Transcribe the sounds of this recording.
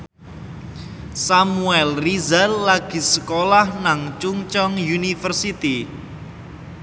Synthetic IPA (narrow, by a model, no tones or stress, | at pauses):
samuɛlrizallaɡ̥i̤səkolahnaŋt͡ʃuŋt͡ʃɔŋjunifərsit̪i